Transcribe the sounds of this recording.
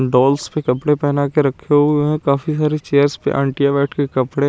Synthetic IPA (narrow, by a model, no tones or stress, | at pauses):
ɖɔːlspekɐpɽepɛːnakeɾɐkʰːeeɦɛ̃kaːfisaːɾet͡ʃeːəɾspḛʔə̃ɳʈijabɛːʈʰkekɐpɽe